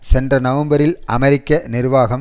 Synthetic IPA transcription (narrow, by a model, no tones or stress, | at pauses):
sɛndrɐnɐʋɐmbɐɾɪlɐmɐɾɪkːɐnɪrʋaːɣɐm